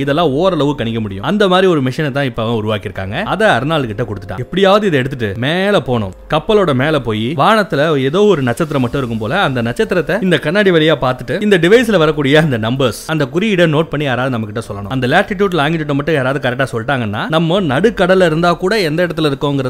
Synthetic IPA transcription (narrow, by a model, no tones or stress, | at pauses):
ɪðɛlːãːoːɾɐlɐʋɯkɐɳɪkːɐmʊɽɪ̰jʊ̰̃ɐnd̪ɐmaːd̪ɾiɔɾɯmɪʂɐnt̪ːãːɪpːɐɐ̃ʊɾʊʋaːkɪɾɯkːa̰ːŋɡɐɐðɛɐɾɯnaːɭkɪʈːɐkɔɽɯt̪ːɯʈːã̰ːɛpːɐɽɪjaːʋɐðɯɪðɛɽɯt̪ːɯʈːɯmeːlɐpoːɳʊ̰̃kɐpːɐloːɽɐmeːlɐpoːjiʋaːɳɐt̪ːɪlɐɛðoːɔɾɯnɐt͡ʃːɐt̪ːɪɾɐmːɐʈːʊ̃ɪɾɯkːɯmpoːlɐɐnd̪ɐnɐt͡ʃːɐt̪ːɪɾɐt̪ːɐɪnd̪ɐkɐɳːaːɽiʋɐlɪjaːpaːɾt̪ɯʈːɯɪnd̪ɐɖɪʋɐɪsɪlɐʋɐɾɐkːuːɽɪjɐɐnd̪ɐnɐmbɐɾsɐnd̪ɐkʊɾiɪɽɐnoːʈ̚pɐɳːiaːɾaːðɯnɐmːɐkːɪʈːɐsɔlːɐnʊ̰̃ɐnd̪ɐlaːʈɪʈjuːɽɪlaːŋɡɪʈːɯʈ̬ːɯmːɐʈːʊ̃eːɾaːʋðɯkɐɾɛk̚ʈaːsɔlːʈaːŋɡɐnːa̰ːnɐmːɐnɐɽɯkːɐɽɐlɪɾɯnd̪aːkuːɽɐɛnd̪ɐɪɽɐt̪ːɪlɪɾɯkːʊ̃ɛŋɡɪɾɐ